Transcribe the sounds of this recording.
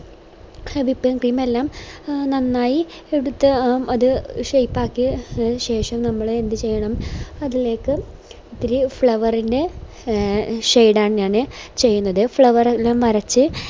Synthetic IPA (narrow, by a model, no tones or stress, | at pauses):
ɐbipːɐŋkriːme̞lːaːmnɐnːaːji | eɽut̪ːɐɐðɨʂejpːaːkːiɕe̞ːʂɐmnɐmːɐɭend̪ɨt͡ɕe̞jːɐɳɐmɐðile̞ːkːɨ | it̪ːiɾifɭɐʋɐrinde̞ | ʂejɖaːɳɨɲaːnɨt͡ɕe̞jːunːɐðɨfɭɐʋɐrelːaːmʋɐɾɐt͡ɕːɨ